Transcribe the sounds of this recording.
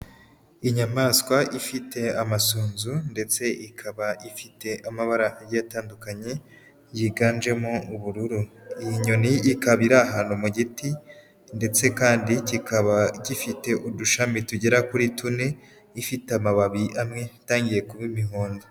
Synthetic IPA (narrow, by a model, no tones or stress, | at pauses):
iɲamaːskwaʔifite̞amasuːnzunde̞t͡se̞ʔikʰaβaʔifite̞ʔamaβaɾajataːndukaɲe̞ | jiɡaːnd͡ʒe̞mouβuɾuɾuijiɲo̞niʔːkaβiɾaːɦaːnumuɟiti | nde̞t͡se̞kaːndicikaβacifite̞ʔuduʃamituɟeɾakuɾitune̞ | ifiteamaβaβiʔamŋe̞taːŋɟije̞kuβimihoːndo